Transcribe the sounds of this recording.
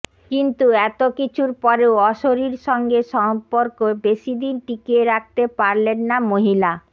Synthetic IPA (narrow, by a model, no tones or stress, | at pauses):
kint̪uɛt̪okit͡ɕʰuɾpɔɾeoɔʃoɾiɾʃɔŋɡeʃɔmpːoɾkobeʃid̪inʈikeɾak̚t̪epaɾlenːamoɦila